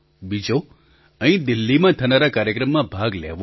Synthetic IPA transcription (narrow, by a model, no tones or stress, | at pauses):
bid͡ʒo | ə̃ɦĩd̪ɪlːimãt̪ʰənaɾakaɾjəkɾəmːãbʱaɡlḛʋo